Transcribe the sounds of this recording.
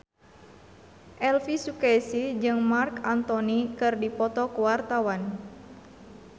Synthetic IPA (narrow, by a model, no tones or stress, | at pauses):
ʔɛlfisukɛsid͡ʒɨŋmarkant̪ɔnikɨrdipɔt̪ɔkuwart̪awan